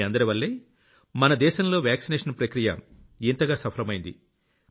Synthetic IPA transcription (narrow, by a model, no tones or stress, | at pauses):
ɐnd̪ɐɾiʋɐlːeː | mɐnɐd̪ɛːʃɐmlo̞ːʋjaːksinɛːʂɐnpɾɐkɾijɐ̰ | int̪ɐɡaːsɐpʰɐlɐmɐjind̪i